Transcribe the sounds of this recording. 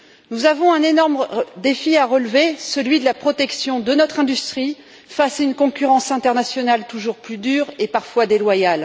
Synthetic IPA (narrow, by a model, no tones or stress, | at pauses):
nuzavɔ̃ɛ̃nenɔʁmd̪efiaʁəlvesəlɥid̪əlapχɔt̪ɛksjɔ̃d̪ənɔt̪χɛ̃d̪yst̪χi | fasaynkɔ̃kʲyʁɑ̃sɛ̃t̪ɛʁnasjɔnalt̪uʒuʁplyd̪yʁepaʁfwad̪elwajal